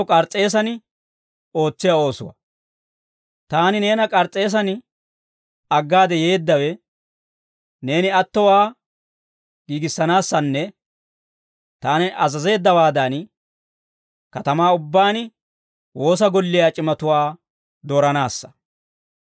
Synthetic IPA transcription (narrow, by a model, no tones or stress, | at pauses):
kʼɐɾt͡sʼːe̞ːs̬ɐn | o̞ːt͡sːɪjao̞ːsʊwɐ̰ | t̪aːnɪne̞ːnɐkʼɐɾt͡sʼːe̞ːs̬ɐnɪ | ɐɡːaːd̪ɛje̞ːd̪ːɐwɛ | ne̞ːnɪɐt̪ːɔwaː | ɡiːɡɪsːɐnaːsːɐnːɛ | t̪aːnɪʔɐzɐze̞ːd̪ːɐwaːd̪ɐn | kɐt̪ɐmaːʊbːaːnɪ | wo̞ːs̬ɐɡɔlːɪjaːt͡ʃʼɪmɐt̪ʊwaː | d̪oːɾɐnaːsːɐ̥